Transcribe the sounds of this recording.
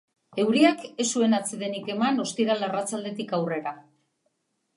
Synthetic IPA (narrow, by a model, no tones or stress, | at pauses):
e̞wɾiake̞sue̞nat͡seðe̞nike̞mano̞st̪iɾalarat͡sald̪e̞t̪ikawre̞ɾa